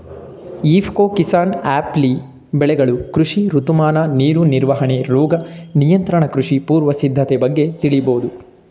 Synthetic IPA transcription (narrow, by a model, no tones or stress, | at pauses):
iːpʰkoːkisaːnaːpli | bɛɭɛɡɐɭukɾuʂiɾut̪umaːnɐniːɾuniɾʋɐɦɐɳeɾɔːɡɐnijɐnt̪ɾɐɳɐkɾuʂipuːɾʋɐsid̪ʱːɐt̪ebɐɡːet̪iɭiboːd̪u